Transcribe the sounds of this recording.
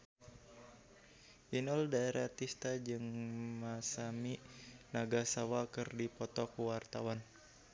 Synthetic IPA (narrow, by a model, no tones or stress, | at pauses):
ʔinɔldaeɾat̪ist̪ad͡ʒɨŋmasaminaɡasawakɨrdipɔt̪ɔkuwart̪awan